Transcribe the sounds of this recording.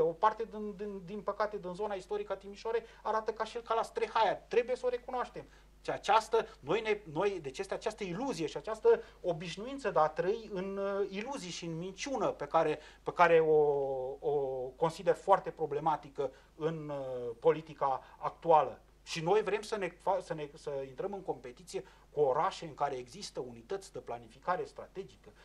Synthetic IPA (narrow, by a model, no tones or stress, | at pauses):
eo̞part̪e̞d̪ind̪ind̪inpəkat̪e̞d̪inzo̞naist̪o̞ɾikat̪imiʃoɾejaɾat̪əkaʃielkalast̪ɾexajat̪ɾe̞buje̞səo̞ɾe̞kunoaʃt̪e̞m | ʃiat͡ʃast̪əno̞jne̞no̞jd̪et͡ʃest̪eat͡ʃast̪əiluzije̞ʃiat͡ʃast̪ə | o̞biʃnuint̪səd̪at̪ɾəiɨniluzieʃiɨnmint͡ʃunəpe̞kaɾe̞pekaɾe̞ooko̞nsid̪e̞rfoart̪e̞pɾo̞ble̞mat̪ikə | ɨnpo̞lit̪ikaːkt̪ualə | ʃino̞jvɾe̞msəne̞fasəne̞səint̪ɾəmɨŋko̞mpe̞t̪it̪sije̞ | kuo̞ɾaʃe̞ɨŋkaɾe̞ːɡzist̪əunit̪ət̪sʲd̪əplanifikaɾe̞st̪ɾat̪e̞d͡ʒikə